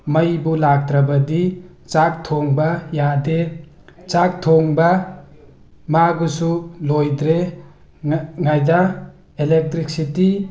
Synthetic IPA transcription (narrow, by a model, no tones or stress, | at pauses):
majbulak̚tɾabɐdi | t͡ʃak̚tʰoŋbajade | t͡ʃak̚tʰoŋba | maɡusulojdɾe | ŋajda | elek̚tɾik̚siti